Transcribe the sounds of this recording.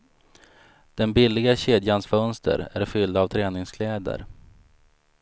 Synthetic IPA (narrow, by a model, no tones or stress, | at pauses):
d̪̥ɛnbɪlːɪɡaɕeːd̪jansfœnst̪ʰə̰ɾæɾfʏld̪avt̪ʰɾɛːnɪŋskʰlɛːd̪ə̰ɾ